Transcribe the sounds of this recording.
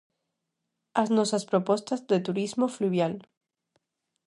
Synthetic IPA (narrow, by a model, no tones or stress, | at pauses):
aznosaspɾopo̞st̪azðe̞t̪uɾizmofluβjal